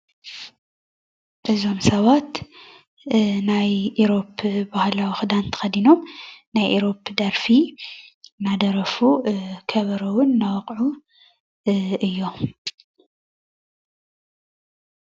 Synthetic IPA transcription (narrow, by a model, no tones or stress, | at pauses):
ʔɨzo̞msɐβat̪ | najʔiɾo̞pbahlawixɨd̪ant̪ʰɐ̥xɐd̪ino̞mnajʔiɾo̞pd̪ɐɾfi | nad̪ɐɾɐfukʰɐβɐɾɐwʊnːawɐqʼʕu | ʔɨjːo